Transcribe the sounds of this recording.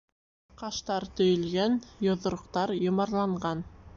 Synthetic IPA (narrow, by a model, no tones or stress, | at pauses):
qɑʃt̪ɑɾt̪ɵ̆jɵ̆lɡænjŏðŏɾŏqt̪ɑɾjŏmɑɾlˠɑɴɢɑn